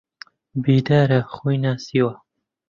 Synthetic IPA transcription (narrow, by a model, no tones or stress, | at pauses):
biːd̪aːɾɐχujnaːsiːwɐ